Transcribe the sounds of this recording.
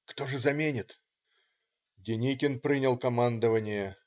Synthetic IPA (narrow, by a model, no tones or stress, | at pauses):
kt̪o̞ʐɨzɐmʲenʲɪt̪ | dʲɪnʲikʲɪnpɾʲinʲɪlˠkɐmand̪əvənʲɪjə